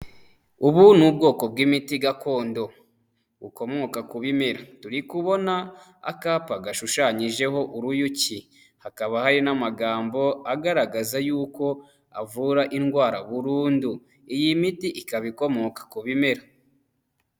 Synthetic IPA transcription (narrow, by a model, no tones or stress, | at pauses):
uβunhub̚ɡo̞ːko̞b̚ɡimitiɡako̞ːndo̞ | βuko̞mo̞kakuβime̞ɾatuɾikuβo̞na | a̰kaːpaɡaʃuʃaɲiʒe̞ɦo̞ʔuɾujuci | hakaβahaɾinamaɡaːmbo̞aɡaɾaɡazajuːko̞ | avuɾaʔinɡwaːɾaβuɾuːndu | ijimitiʔikaβiko̞mo̞kḁkuβime̞ɾa